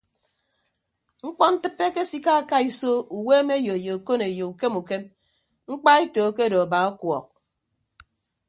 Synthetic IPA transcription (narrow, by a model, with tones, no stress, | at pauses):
ŋ͡m̩˦k͡pɔ˦n̩˦tɨ˦pːe˦ke˦si˦ka˦a˦˨ka˦i˦so˦u˨we˦me˦jo˨jo˨u˨ko˦ne˨jo˨u˨ke˦mu˨ke˦m | ŋ͡m̩˦k͡pa˦i˦to˨˦ke˦do˨a˨ba˨˦ɔ˦kwɔ˨k̚